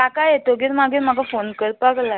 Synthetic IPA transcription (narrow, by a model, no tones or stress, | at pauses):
akajet̪oɡiːɾmaɡiːɾm̤aɡafonkəɾpaɡla